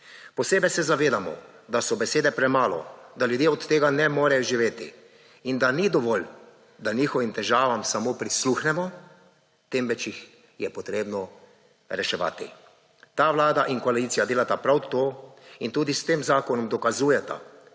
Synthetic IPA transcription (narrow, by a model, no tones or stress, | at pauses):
pɔseːbɛjsɛzaʋeːd̪amɔ̰ | d̪asɔbɛseːd̪ɛpɾɛmaːlɔ̰d̪aljud̪jeːɔt̪ːeːɡanɛmoːɾɛjɔʒiʋeːt̪ḭ | ind̪anid̪ɔʋɔl | d̪aniːxɔʋimt̪ɛʒaːʋamsamopɾisluxnɛmɔ | t̪emʋɛt͡ʃix | jɛpɔt̪ɾeːbnɔ | ɾɛʃɛʋa̰ːt̪ḭ | t̪aːʋlaːd̪aʔiŋkɔalit̪sijad̪eːlat̪apɾawt̪oːint̪uːd̪ist̪eːmzaːkɔnɔmd̪ɔkazuːjɛt̪a̰